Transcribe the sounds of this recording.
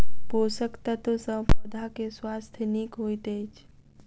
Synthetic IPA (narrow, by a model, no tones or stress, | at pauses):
poːsəkt̪ət̪sə̃pəd̪ʱakeswaːst̪ʰənikɦoːit̪ejt͡ʃʰ